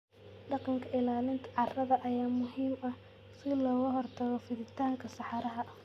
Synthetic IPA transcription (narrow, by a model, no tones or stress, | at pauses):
ɖɑqɑŋkʰɐɪlaːlɪnt̪ʰɐ̥ʕɑrɐðɐʔɐjaːmʊɦiːmɐh | sɪlɔːɣɐɦɔrt̪ʰɐɣɔfɪðɪt̪ʰaːŋkʰɐsɑħɑɾɐɦɐ